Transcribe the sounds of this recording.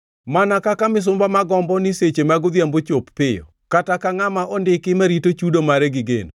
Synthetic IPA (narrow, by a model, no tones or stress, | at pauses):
manakakamɪs̬ʊmbamaɡɔmbɔnɪset͡ʃemaɡʊd̪jambot͡ʃopːɪjɔ̰ | katakaŋamaʔɔndɪkɪmaɾitot͡ʃudomaɾɛɡɪɡḛno